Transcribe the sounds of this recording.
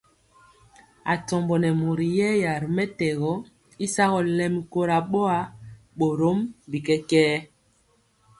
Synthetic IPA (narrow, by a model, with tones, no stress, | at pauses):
a̰˨tɔ˨mbɔ˨nɛ˨mo˨ɾi˨jɛ˦ja˨ɾmɛ˦tɛ˨ɣɔ˦ | i˦sa˦ɣɔ˨lɛ˦mi˨ko˦ɾa˨ɓo˦a˦ | ɓo˨ɾo˦mbi˨kɛ˦kɛː˦